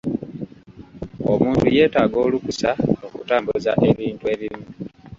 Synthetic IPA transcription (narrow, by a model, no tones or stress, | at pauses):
o̰muːntuje̞ːtaːɡo̞ːlukusao̞kutaːmbuza̰ʔe̞βiːntue̞ːβimu